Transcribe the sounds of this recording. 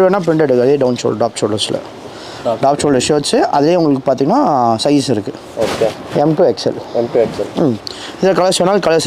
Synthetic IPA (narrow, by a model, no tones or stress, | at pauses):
ʋeːnːaːp̬ɾɪɳɖɐɽɯkɐðeːɖɐʊnso̰lɖaːp̚t͡ʃoːlɐɾslɐ̰ | ɖaːp̚t͡ʃoːlɐsoːɐt͡ʃːɯʔɐðɪleːʊŋɡɐɭɯkːɯpaːɾt̪iːŋɡɐnːaːsɐɪsɪɾɯkːɯ | oːkeɛmʈuɛksɛ̰lɛmʈuɛksɛl | ɪðɪlɐkɐlɐsɔnːaːlkɐlɐs